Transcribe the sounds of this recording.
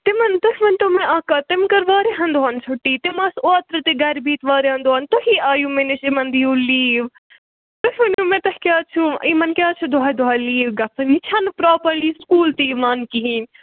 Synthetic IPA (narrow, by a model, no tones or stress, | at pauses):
t̪ɪmɐnd̪ʊʃmɐnʈ̪omẽaːkat̪ɪmkɐɾʋaːɾeɦɐ̃nd̪oɦɐnsʰʊʈːiːt̪ɪmɐsoːt̪ɾət̪eɡɐɾbiːt̪ʋaːɾeɦɐ̃nd̪oɦɐnt̪oɦiːʔaːjũːmenɪʃɪmɐnd̪iːuːliːʋ | d̪̥ʊʃmɐnʈumẽːt̪ɐhkʲjaːt͡ʃʰuimɐnkʲaːt͡ʃʰud̪ʊɦaːjd̪ʊaːjliːʋɡɐfʰɐnit͡ʃʰɐnpɾaːpəɾliːskuːlt̪imaːnkiɦinʲ